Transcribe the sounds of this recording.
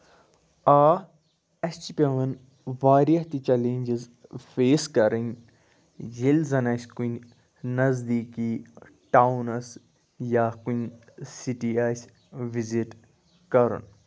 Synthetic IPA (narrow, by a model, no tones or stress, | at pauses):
aː | ɐst͡ʃipʲeʋɐn | ʋaːɾiɐt̪it͡ʃɛleːɲʲd͡ʒizfeːskɐɾin | d͡ʒilzɐnaːskunʲ | nɐzd̪iːkiː | ʈawunɐs | jaːkuɲ | siʈias | ʋiziʈ | kɐɾṵn